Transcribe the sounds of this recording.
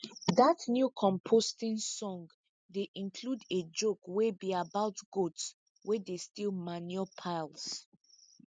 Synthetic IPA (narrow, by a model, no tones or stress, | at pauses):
ðatnjukʰɔ̃mpʰostĩnsɔ̃ŋɡ | deʔĩnkʰluded͡ʒokwɛbiabaʊtɡots | wɛdestilˠmanjɔpʰaɪlˠs